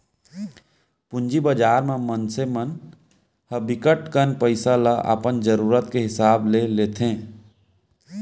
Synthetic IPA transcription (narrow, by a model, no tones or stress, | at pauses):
pʊ̃nd͡ʒibəd͡ʒaːɾmemənsemən | həbɪkəʈkənpəɪsalaʔə̰pənd͡ʒəɾuːɾət̪keɦɪsaːbleleːt̪ʰẽː